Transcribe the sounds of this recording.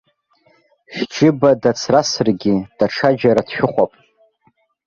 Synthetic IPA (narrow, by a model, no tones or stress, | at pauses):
ʃd͡ʒɪbadat͡sʰrasrɡʲid̥aʈ͡ʂʰad͡ʒaɾadʃᶣʊχʷapʼ